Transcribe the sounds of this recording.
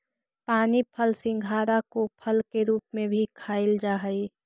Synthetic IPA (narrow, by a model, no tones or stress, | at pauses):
paːnipʰəlsɪ̃ŋɡʱaːɾakopʰəlkeɾuːpmẽbʱikʰaːɪld͡ʒaːɦəi